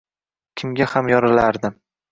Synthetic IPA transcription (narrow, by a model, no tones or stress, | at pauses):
kʲʰɪmɡʲahamjɒɾɪlaɾd̪ɪm